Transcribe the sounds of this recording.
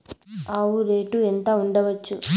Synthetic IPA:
aːwuɾeːʈuent̪ɐuɳɖɐʋɐt͡ʃːu

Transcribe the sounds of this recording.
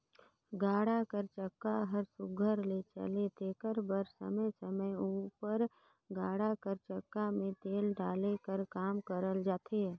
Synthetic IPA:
ɡaːɽakəɾt͡ʃəkːaɦəɾsʊɡʱəɾlet͡ʃə̰let̪eːkəɾbəɾsə̰məjsəməjuːpəɾ | ɡaːɽakəɾt͡ʃəkːamẽt̪eːlɖaːlekəɾkaːmkəɾəld͡ʒaːt̪ʰe

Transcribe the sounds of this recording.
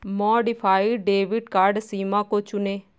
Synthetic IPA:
mɔːɖɪpʰaːiɖeːʋɪɖkaːɾɖsiːmãːkoːt͡ʃʊneː

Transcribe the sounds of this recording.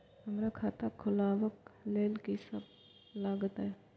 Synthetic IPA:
ɦəmɾakʰaːt̪akʰʊlaːwəkleːlkisəb | laːɡət̪ɦɛ

